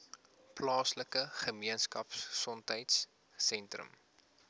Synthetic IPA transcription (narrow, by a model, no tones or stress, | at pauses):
plɑːsləkəχəmiənskɐpssɔntəjtsː | ɛntrə̰m